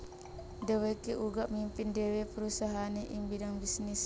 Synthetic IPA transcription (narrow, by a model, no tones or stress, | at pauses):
dɛwɛkːeʔuɡaʔmimpindɛwɛpuɾusaɦanɛʔimbidaŋbisnis